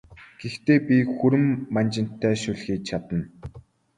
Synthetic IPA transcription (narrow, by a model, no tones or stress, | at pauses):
ɡ̥ext̪eːpʲixuɾɘ̆mːant͡ɕɪ̆n̥t̪ʰːæːʃuɮxiːk̚t͡ɕʰat̪ə̆n